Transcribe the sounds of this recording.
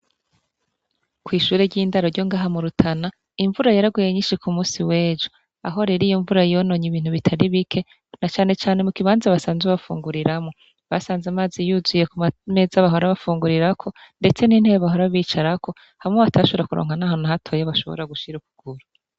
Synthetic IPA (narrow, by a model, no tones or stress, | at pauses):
kwiːʃuːɾeɾɟiːndaɾoɾɟo̞ŋɡaːɦamuɾutʰana | iɱvuɾajaɾaɡuje̞ɲiːnʃikʰumuːsiwe̞ːd͡ʒo | a̰ɦo̞ɾeɾijoɱvuɾajijono̞ɲiβiːn̥uβitʰaɾiβikʰe̞ | nat͡ʃaːne̞t͡ʃaːne̞mukiβaːnzaβasaːnzweβafṵːŋɡuɾiɾamŋo̞ | βasaːnzamaːzijuzwijekume̞zaβaɦoɾaβafuːŋɡuɾiɾakʰo̞nde̞t͡se̞nin̥heβaɦoɾaβiːt͡ʃaɾakʰo̞ | haŋeβatʰaʃoβɾakuɾo̰ːŋhanaːɦo̞naɦatʰo̞ːjaβaʃo̞βo̰ɾaɡuʃiɾukuɡ̥uɾu